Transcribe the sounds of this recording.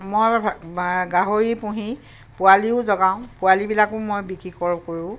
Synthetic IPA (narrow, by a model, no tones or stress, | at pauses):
moj | ɡaɦoɹipũɦi | pʊaliʊzɔɡaʊ̃pʊalibilakʊ̃mojbikɹikɔɹkoɹũ